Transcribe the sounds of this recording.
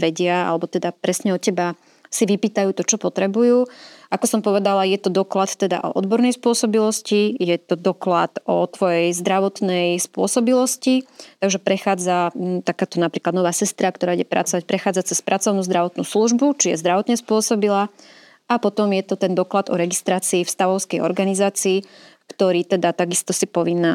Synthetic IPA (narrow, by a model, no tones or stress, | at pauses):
ʋɛɟɪaa̰lɛbɔt̪ɛd̪apɾɛsɲɛɔcɛba | siʋipiːt̪ajuːt̪ɔt͡ʃɔpɔt̪ɾɛbujuːʔakɔsɔmpɔʋɛd̪alajɛt̪ɔd̪ɔklat̪t̪ːɛd̪a̰ʔɔ̰ʔɔd̪bɔɾnɛjspʊɔsɔbilɔscijɛt̪ɔd̪ɔklat̪ʔɔt̪ʋɔjɛjzd̪ɾaʋɔt̪nɛjspʊɔsɔbilɔscit̪aɡʒɛpɾɛxaːd͡zat̪akaːt̪ɔnapɾiːklad̪nɔʋaːsɛst̪ɾakt̪ɔɾaːɟɛpɾa̰t͡sɔʋac̚pɾɛxaːd͡zat͡sɛspɾʔat͡sɔʊnuːzd̪ɾaʋɔt̪nṵːsluʒbut͡ʃijɛ̰zd̪ɾaʋɔt̪ɲɛspʊɔsɔbila | ʔapɔt̪ɔmjɛt̪ɔt̪ɛnd̪ɔklad̪ɔɾɛɡist̪ɾaːt͡siːfst̪aʋɔʊskɛjɔ̰ɾɡanizaːt͡siː | kt̪ɔɾiːt̪ɛd̪at̪aɡist̪ɔsipɔʋinːaː